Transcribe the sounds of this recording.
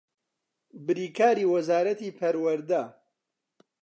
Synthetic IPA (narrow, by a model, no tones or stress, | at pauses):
bɨɾiːkʰaːɾiːwɐzaːɾɐt̪iːpʰɐɾwɐɾd̪a